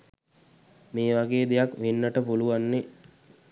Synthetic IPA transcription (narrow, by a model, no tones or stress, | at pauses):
meːʋaɡeːd̪ejakʋenːəʈəpuluʋanːe